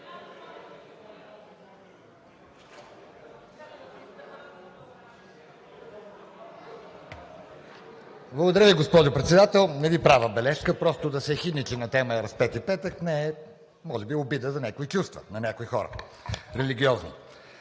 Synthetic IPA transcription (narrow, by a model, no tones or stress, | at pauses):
blˠəɡod̪ɐɾəviɡospɔʒopɾɛt̪sɛd̪at̪ɛlˠnɛvipɾavəbɛlɛʃkəpɾɔst̪od̪ɐsɛxid̪nʲit͡ʃ̪inɐt̪ɛməəɾɐspɛt̪ipɛt̪əknɛɛ | mɔʒɛbiobid̪əzɐnʲakoit͡ʃust̪və̰nɐnʲakoixɔɾə̰ | ɾɛliɡ̟ʲiɔznḭ